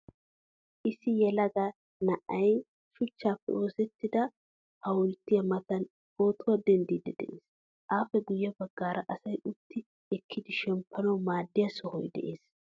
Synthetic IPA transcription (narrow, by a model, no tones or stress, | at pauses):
ʔɪsɪjɛlɐɡɐ | nɐʔɐj | ʃʊt͡ʃːaːfːɛ̰ʔo̞ːsɛt̪ːɪd̪ɐ | hɐwʊlt̪ːɪjɐmɐt̪ɐn | bo̞ːt̪ʊwad̪ɛnd̪iːd̪ɛd̪ɛ̰ʔeːs | ʔaːfɛɡʊjːɛbɐɡːaːɾɐʔɐsɐjʊt̪ːɪ | ɛkʰːɪd̪ɪʃɛmpʰːɐnɐwmaːd̪ːɪjɐsɔhɔjd̪ɛ̰ʔḛːs